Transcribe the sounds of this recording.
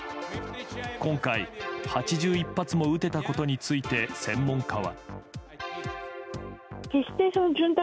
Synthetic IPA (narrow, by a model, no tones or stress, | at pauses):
kõ̞ŋkaihat͡ɕiʑɨːipːat͡sɨmo̞ɯ̟t̪e̞t̪ako̞t̪o̞ɲ̟it͡sɨit̪e̞sẽ̞mːõ̞ŋkʰaβa̰ | kesʲt̪esonod͡ʑɨnt̪